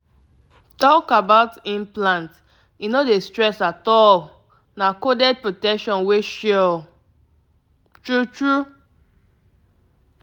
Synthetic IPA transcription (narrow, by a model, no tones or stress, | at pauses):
tɔkabaʊtĩnplãnt | inodestɹɛsatɔl | nakodɛd̚pɹotɛkʃɔ̃nweʃɛ | tɹutɹu